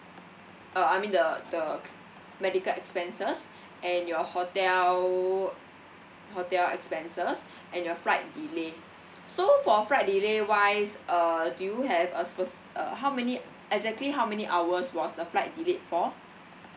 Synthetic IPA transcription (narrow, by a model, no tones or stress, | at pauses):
aajmĩndədə | mɛdikəlɛkspɛ̃nsəs | ʔɛ̃njɔhotɛl | hotɛlɛ̰kspɛ̃nsəs | ʔɛ̃njɔfɹaɪt̚dile | sofɔfɹat̚dilewajsʌdujuɦɛvəspəs | ʔə̰ɦawmɛni | ɛkzɛk̚tliɦawmɛniʔawəswɔsdəflajt̚dilet̚fɔ